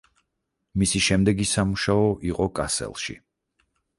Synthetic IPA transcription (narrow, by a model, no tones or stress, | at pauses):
misiʃɛmd̪ɛɡisamuʃaɔʔiqʼɔkʼasɛ̰lˠʃḭ